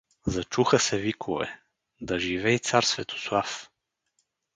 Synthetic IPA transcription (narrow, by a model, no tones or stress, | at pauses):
zɐt͡ʃuxəsɛvikʰovɛ̰ | d̪ɐʒivɛit̪saɾsvɛt̪ʰo̥slˠaf